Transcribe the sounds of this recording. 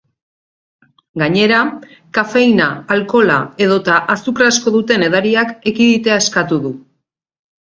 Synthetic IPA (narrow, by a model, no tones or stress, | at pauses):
ɡaɲe̞ɾa | kafe̞jnaːlko̞la̰e̞ðo̞t̪aʔasukrasko̞ðut̪e̞ne̞ð̞aɾiake̞kiðit̪e̞ae̞skat̪uðu